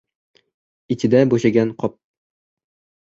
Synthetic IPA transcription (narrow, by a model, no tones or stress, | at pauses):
it̪ɘ̆d̪æboɕaɡʲænqɒp̚